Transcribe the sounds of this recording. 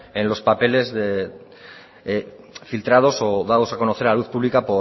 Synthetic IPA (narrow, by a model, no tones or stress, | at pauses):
enlo̞spape̞le̞zðe | filt̪ɾað̞o̞soðaðo̞sako̞noθe̞ɾaluθpuβlikapo̞